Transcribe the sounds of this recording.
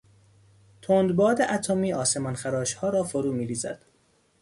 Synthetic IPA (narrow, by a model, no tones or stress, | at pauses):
t̪ʰond̪bɒːd̪eʔæt̪ʰomiːɒːsemɒnxæɾɒːʃhɒːɾɒːfoɾuːmiːɾiːzæ̰d̪̥